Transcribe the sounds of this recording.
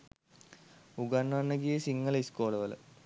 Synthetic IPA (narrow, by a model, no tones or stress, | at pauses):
uɡɐnːaːnːɐɡijesiŋːɐliskoːlɐʋɐl̰